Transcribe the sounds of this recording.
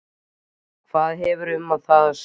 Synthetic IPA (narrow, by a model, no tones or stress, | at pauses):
kʰvaːðɦɛvʏɾʏmːaðθaðs